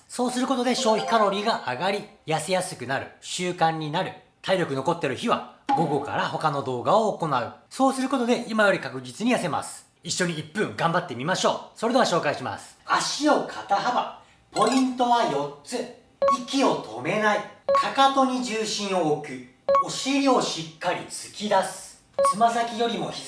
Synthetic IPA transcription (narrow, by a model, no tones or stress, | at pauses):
so̞ːsɨɾɯ̟ko̞t̪od̪e̞ɕo̞ːçʲi̥kaɾo̞ɾʲiɡaʔaɡaɾʲijasejasɨ̥kɯ̟naɾɯ̟ɕɨːkãɲ̟ːinaɾɯ̟ | t̪ʰaiɾʲo̞kɯno̞ko̞t̪ːe̞ɾɯ̟çiβa̰ɡo̞ɡo̞ka̰ɾaho̞kano̞d̪o̞ːɡaoːko̞naɯ̟so̞ːsɨɾɯ̟ko̞t̪o̞d̪e̞ʔimajo̞ɾʲikakɯ̟d͡ʑit͡sɨɲ̟ijase̞ma̰sɨ̥ | iɕːo̞ɲ̟iːpːɯ̟̃ŋɡãmbat̪ːe̞mʲimaɕo̞ːso̞ɾe̞d̪eaɕo̞ːkaiɕima̰sɨ̥aɕio̞kʰat̪aɦaba | po̞ĩnt̪o̞βajo̞tt͡sɨ | ikʲio̞t̪ʰo̞me̞naikʰakat̪o̞ɲ̟id͡ʑɨːɕĩɰ̃o̞ːkɯ̟ | o̞ɕiɾʲio̞ɕikːaɾʲit͡sɨ̥kʲid̪asɨ̥ | t͡sɨmasakʲijo̞ɾʲimo̞̰